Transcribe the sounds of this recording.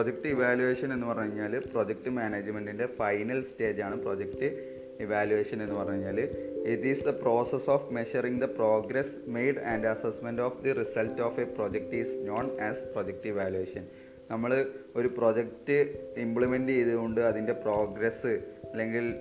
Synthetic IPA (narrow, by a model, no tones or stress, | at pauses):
proːd͡ʑek̚ʈɨiʋaːljuʋeːʂɐne̞nːɨpɐrɐɲɲːaːlpro̞ːd͡ʑek̚ʈɨmaːneːd͡ʑmeɳɖindefɐjnɐlste̞ːd͡ʑaːɳɨpro̞ːd͡ʑektɨ | iʋaːluʋeːʂɐne̞nːɨpɐrɐɲɲːaːlitisd̪ɐpro̞ːsesoːfme̞ʃɐriŋd̪ɐpro̞ːɡɾes | mejɖɐːnɖɐsɐsmendoːfd̪irisɐltːoːfeproːd͡ʑek̚ʈiːsno̞ːnæːsproːd͡ʑek̚ʈiʋaːljuʋeːʂɐn | nɐmːɐɭo̞ɾupro̞ːd͡ʑek̚tɨimbɭimendɨiðuɣoɳɖɨɐðinde̞pro̞ːɡɾesɨɐlːe̞ŋɡil